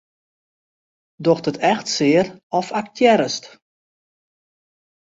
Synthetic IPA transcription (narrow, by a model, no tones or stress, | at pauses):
dɔxdətɛxtsɪərɔfak̚tʰjɛɾəst